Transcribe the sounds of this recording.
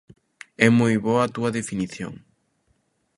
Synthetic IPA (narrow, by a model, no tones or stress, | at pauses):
ɛmojβɔɐat̪uɐðefiniθjo̰ŋ